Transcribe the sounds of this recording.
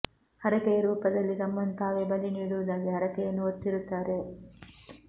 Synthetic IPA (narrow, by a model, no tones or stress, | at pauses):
hɐɾɐkɐjɐɾuːpɐd̪ɐlːiɾɐmːɐnt̪aːʋebɐliniːɽuʋud̪aːɡeɦɐɾɐkɐjɐnːuot̪ːiɾut̪ːaːɾe